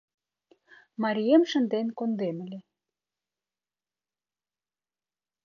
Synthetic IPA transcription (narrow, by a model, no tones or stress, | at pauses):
mɑɾʲijemʃə̆nd̪enkond̪eməlʲe